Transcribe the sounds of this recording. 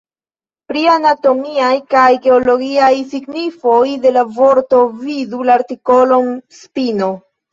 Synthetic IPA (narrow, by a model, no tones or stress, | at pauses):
pɾianato̞miajkajɡe̞olo̞ɡiajsiɡnifo̞jde̞lavo̞ɾto̞vidulaaɾtiko̞lo̞nspino